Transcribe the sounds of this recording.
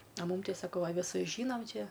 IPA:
ɐ ˈmuːm ˈtʲɛɪ sɐˈkɐʊ ɐ ʋʲɪˈsʊs ˈʒʲiːnɐm ˈt͡ʃʲɛ

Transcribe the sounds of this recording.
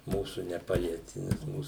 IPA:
ˈmuːsʊ nʲɛˈpɑːlʲiɛtʲɪ nʲɛs ˈmuːs

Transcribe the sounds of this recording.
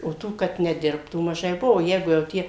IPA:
oː ˈtuː kɐt nʲɛˈdʲɪrptuː mɐˈʒɐɪ ˈbʊʋoː ˈjɛɪɡʊ jɛʊ ˈtʲiɛ

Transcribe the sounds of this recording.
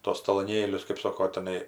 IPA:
ˈtuɔs tɐlˠoːˈnʲeːlʲʊs kɜp ˈsoːkoː tʲɪˈnɐɪ

